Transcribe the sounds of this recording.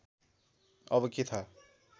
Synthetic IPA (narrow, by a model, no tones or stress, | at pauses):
ʌbʌket̪ʰa